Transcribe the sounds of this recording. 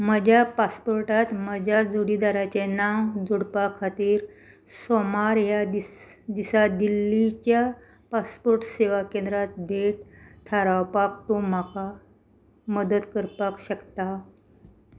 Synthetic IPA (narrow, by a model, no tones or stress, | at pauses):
məd͡ʑʱapaspoɾʈat̪məd͡ʑʱjad͡zoɽid̪aɾat͡ɕenawd͡zoɽpakʰːat̪iːɾ | somaɾjad̪i | d̪isad̪ilːit͡ɕja | paspoɾʈseʋakẽnd̪ɾat̪̚bʱeʈt̪ʰaɾawpakt̪om̤aka | məd̪əd̪kəɾpakɕəkt̪a